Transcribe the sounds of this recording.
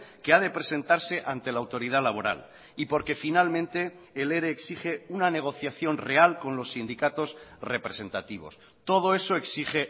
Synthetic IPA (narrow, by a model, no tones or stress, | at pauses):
keaðepɾese̞nt̪aɾse̞ʔant̪e̞lawt̪o̞ɾiðalaβ̞o̞ɾa̰l | ipo̞ɾke̞finalmẽ̞nt̪e̞ːle̞ɾeːksiχe̞unane̞ɣ̞o̞θjaθjonre̞alko̞nlo̞sːind̪ikat̪o̞sre̞pɾesẽ̞nt̪at̪iβ̞o̞̰s | t̪o̞ð̞o̞e̞so̞e̞ksiχe̞